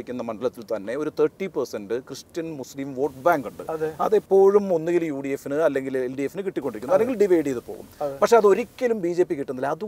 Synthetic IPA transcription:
ikʲːunːɐmɐɳɖɐlɐt̪ːilt̪ɐnːe̞o̞ɾut̪ʰerʈːipɐrsɐndɨkrɨstɐnmuslimʋo̞ːʈbaːŋɡuɳɖɨ̰ɐðɐ̰ðepːo̞ːɻumo̞nːiɣilujuːɽijefːinɨɐlːe̞ŋɡilelɖijefːinɨkiʈːikːo̞ɳɖikʲːuɐleŋɡilɖiʋejɽijɐðɨpoːɣṵmɐpɐkʂeɐðɨo̞ɾikʲːɐlumbiːd͡ʑe̞ːpːikiʈːɐnːɐilɐðu

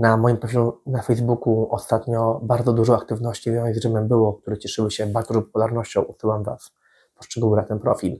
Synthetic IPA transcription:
namɔjimpɾɔfʲilunafɛjzbukuʔɔst̪at̪ɲɔbaɾd̪zɔd̪uʐɔakt̪ɘvnɔɕt͡ɕimʲjɔwɛzɡʐɘmɛmbɘwɔk̚t̪uɾɛt͡ɕɛʂɘwɘɕɛbaɾd̪ɔzɔpɔpulaɾnɔɕt͡ɕɔ̃w̃usɘwamva̰s | pɔʂt͡ʂɛɡuwnat̪ɛnpɾɔ̰fʲil

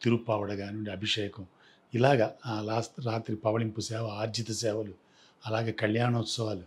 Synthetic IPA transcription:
t̪iɾupaːʋɐɽɐɡaːniɐɳɖiɐbʱiʂɛːjɐkɐm | ilaːɡɐɾaːstɾaːt̪ɾipɐʋɐlimpusɛːʋɐaːɾd͡ʒ̪it̪ɐsɛːʋɐlu | ɐlaːɡeːkɐljaːnɐut̪sɐʋaːlu

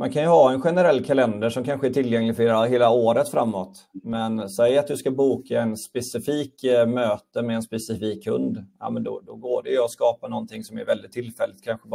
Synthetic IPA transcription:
ma̰nkʰanjɵhɑːɛnɧɛnəɾɛlːkʰalɛnd̪əʂɔmkʰanɧəæʈʰɪlːjɛŋlɪɡfœɾheːlaɦeːlaoːɾət̪fɾa̰mːɔt̪ | mɛnsɛjːat̪̚d̪ɵskabuːkʰaɛnspɛsɪfiːkmøːt̪əmɛːnspɛsɪfiːkhɵ̰nd̪ja̰mənd̪ɔ̰d̪ɔɡoːɖɛjɵɔskɑːpanɔnt̪ʰɪŋsɔmæ̰ɾvɛld̪ɪt̪ʰːɪlːfɛlːɪt̪̚kʰanɧəb

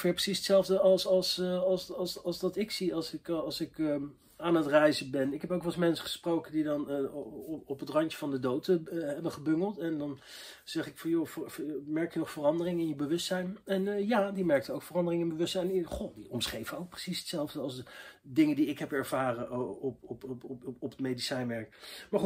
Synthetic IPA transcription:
fɪːprə̥sisətsɛlˠvdəɑlˠsɑlˠsɑlˠsɑlˠsɑlˠsdɑtɪksiɑlsɪkɑlˠsɪk | aːnətrɛjzəbɛnɪkɦɛpowkʋɑlsmɛnsə̥χə̥sprowkəndidɑn | ɔpətrɑnt͡ʃəvɑndədowtɦɛbənχəbɵŋɡəlˠtɛndɑn | z̥ɛχɪkfɑnjofmɛɹkjənɔχfərɑndərɪŋɪnjəbəʋɵstsɛjnɛnjaːdimɛɹk̚təowkfərɑndərɪŋɪnbəʋɵstsɛjniχodiɔmsχejvəowk̚prəsisə̥tsɛlˠvdəɑlˠsdɪŋəndiɪkɦɛpɛɹv̥aːrənppɔpətmejdisɛjnʋɛɹkmaːɹχut

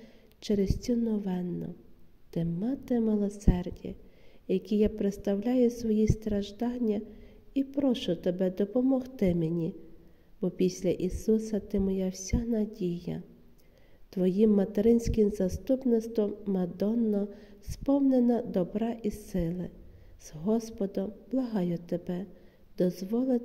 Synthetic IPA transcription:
t͡ʃɛɾest͡sʲɔnɔʋɛnːɔ̰t̪ɪmɑt̪ɪmɪlˠɔsɛrdʲḭjɐkʲijapɾet̪st̪ɐwlʲajʊsʋɔjist̪ɾɐʒd̪ɑnʲːɐ | ipɾɔʃʊt̪ɔbɛd̪ɔpɔmɔxt̪ɪmenʲi | bɔpʲisʲlʲɐʔisusɐt̪ɪmɔjawsʲanɐdʲijɐ̰ | t̪ʋɔjimːɐt̪eɾɪnʲsʲkʲɪmzɐst̪upnɪst̪ʋɔmːɐd̪ɔnːɔspɔwnenɐd̪ɔbɾɑʔisɪlˠɪ | z̥ɦɔspɔd̪ɔmb̥lˠɐɦɑjʊt̪ebɛ | d̪ɔzʋɔlˠɪt̪

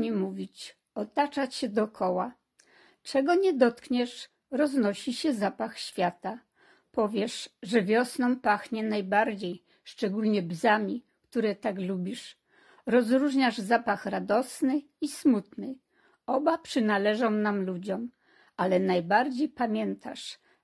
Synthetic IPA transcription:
ɛmuvʲit͡ɕ | ɔt̪at͡ʂat͡ɕɕɛd̪ɔkʰɔwa | t͡ʂɛɡɔɲɛd̪ɔt̪kɲɛʂ | ɾɔznɔɕiɕɛzapaxɕfʲjat̪a | pɔvʲjɛʂʐɛvʲjɔsnɔ̃w̃paxɲɛnajbaɾd͡ʑej | ʂt͡ʂɛɡulɲɛbzamʲi | kt̪uɾɛt̪aɡlubʲiʂ | ɾɔzɾuʐɲaʐzapaxɾad̪ɔsnɘ | ismut̪nɘ | ɔbapʂɘnalɛʐɔ̃w̃namlud͡ʑɔm | alɛnajbaɾd͡ʑejpamʲjɛnt̪ʰa̰ʂ

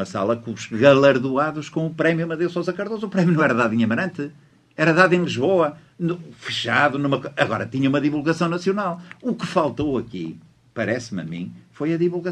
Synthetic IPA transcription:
ɐsa̰lˠɐkũʃɣɐlˠɐɾðuaðuʃkõupɾɛmjumɐðewsozɐkɐɾðozuupɾɛmjunɐ̃ɛɾɐðaðĩɲɐmɐɾɐ̃nt̪ɨ | ɛɾɐðaðẽj̃lˠiʒβoɐ | nufɨ̥ʃaðunumɐkoɐɣɔɾɐt̪iɲɐumɐðivulˠɣɐsɐ̃w̃nɐsiunalˠukɨfalˠt̪owɐkḭ | pɐɾɛsmɐ̰mḭ̃fojɐðivulˠɣɐ

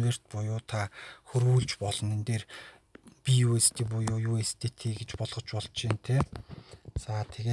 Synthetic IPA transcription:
weːr̥t̪̚pʊjʊːt̪ʰaxɵrɣuːɮt͡ɕpɔɮɞ̆nent̪eːr | pʲijuːest̪iːp̬ʊjʊːjuːest̪ʰet̪ʰiːɡet͡ɕpɔɮʁ̥ɞ̆t͡ɕpɔɮt͡ɕint̪ʰeː | t͡sat̪ʰeɣeː

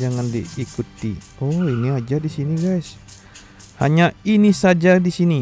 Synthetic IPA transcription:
d͡ʒaŋandḭːkut̪ḭ | oiniad͡ʒadisiniɡajs | ha̰ɲainisad͡ʒadisini

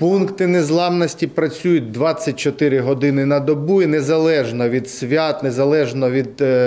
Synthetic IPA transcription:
punkt̪ɪnezlˠɑmnɔsʲtʲipɾɐt͡sʲujʊt̚ʲd̪ʋɑt͡sʲːɐtʲt͡ʃɔt̪ɪɾɪɦɔd̪ɪnɪnɐd̪ɔbuinezɐlˠɛʒnɔʋʲid̪sʲʋʲat̪nezɐlˠɛʒnɔʋʲid̪

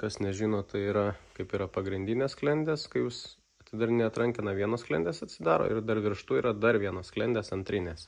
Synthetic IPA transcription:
kɐsnʲɛʒʲiːnoːtt̪ɐɪiːɾɐkɐɪpiːɾɐpɐɡɾʲɪnʲd̪ʲɪːnʲeːsklʲɛnʲd̪ʲeːskɐɪjuːs | ɐt̪ʲsʲɪd̪ɐrnʲɛɐt̪ɾɐŋʲkʲɪnɐʋʲiɛnoːsklʲɛ̰ndʲeːsɐt̪ʲsʲɪd̪ɑːɾo̰ːʔɪrd̪ɐrʋʲɪrʃt̪uːiːɾɐd̪ɐɾʋʲiɛnoːssklʲɛnʲd̪ʲeːsɐnʲt̪ʲɾʲɪnʲeːs

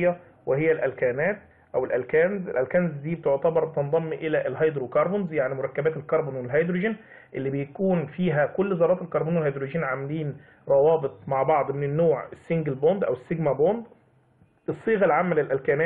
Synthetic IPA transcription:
jːæ | wehejːælʔælkæːnæːt̪̚ | ʔæwelʔælkæːnzʔelʔælkænzd̪iːbet̪oʕt̪æbɑɾˤbet̪end̪ˤɑmːʔɪlæʔelɦɑjd̪ɾukɑɾˤbonzjaʕnimoɾˤɑkːæbæːt̪elkɑɾˤbonwelɦɑjd̪ɾuʒɪn | ʔelːibejækuːnfiːɦækolːzɑːɾˤɑːt̪elkɑɾˤbuːnwelhɑjd̪ɾoʒiːnʕamæliːn | ɾˤɑwɑːbɨt̪ˤmaʕbɑʕd̪ˤmɪnɪnːoːʕesːɪŋɡelbond̪ʔæwesːɪɡmæbond̪ | ʔesˤːiːɣɑlʕamːælelʔælkæːnæː

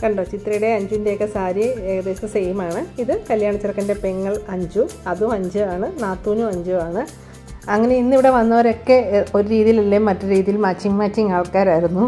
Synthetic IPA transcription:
kɐɳɖoːt͡ɕit̪rɐjuɽe̞ɐɲd͡ʑuʋindekːɐsaːɾieːɣɐd̪eːsɐsejmaːɳɨiðɨkɐljaːɳɐt͡ɕːirɐkːɐnde̞pe̞ŋːɐɭɐɲd͡ʑuɐðumɐɲd͡ʑɨaːɳɨnaːt̪ːuːnuɐɲd͡ʑuaːɳɨ | ɐŋːɐne̞inːiʋiɽe̞ʋɐnːɐʋɐɾo̞kːe̞o̞ɾuɾiːðijililːemɐtːɨɾiːðijilmaːt͡ɕːiŋmaːt͡ɕːiŋaːɭkːaːɾaːjiɾunːu

